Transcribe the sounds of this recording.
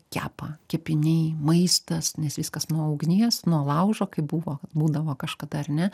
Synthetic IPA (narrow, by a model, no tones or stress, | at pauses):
kʲæ̰ːpɑːkʲɛpʲɪnʲɛɪmɐɪst̪ɐsnʲɛsʋʲɪskɐsnuɔɐʊɡnʲiɛsnuɔlˠɐʊʒoːkɐɪbuːʋoːbuːd̪ɐʋoːkɐʃkɐd̪ɐɐrnʲɛ